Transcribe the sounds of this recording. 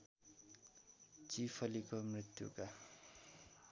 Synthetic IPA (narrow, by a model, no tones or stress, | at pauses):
t͡sipʰʌlikomrit̪jṵka